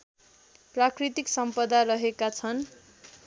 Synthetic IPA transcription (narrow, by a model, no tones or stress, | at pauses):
prakrit̪iksʌmpʌd̪aɾʌɦekat͡sʰʌn